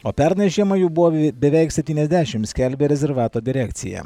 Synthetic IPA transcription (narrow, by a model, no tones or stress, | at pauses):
oːpʲɛɾnʲɛʃʲemɐjuːbʊʋoːbʲɛʋʲɛɪksʲɛpʲt̪ʲiːnɛzʲd̪ʲæːʃʲɪmsʲkʲɛlʲbʲeːɾʲɛzʲɛɾʋɑːt̪oːd̪ʲɪɾʲækt̪sʲɪ̰jɛ̰